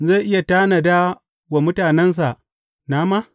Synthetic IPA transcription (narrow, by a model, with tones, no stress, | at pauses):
za˦˨ʔɪ˦ja˨taː˦na˨da˦ | wa˨mʊ˦taː˨nɛ˦ns̬a˨ʔ | naː˦maː˦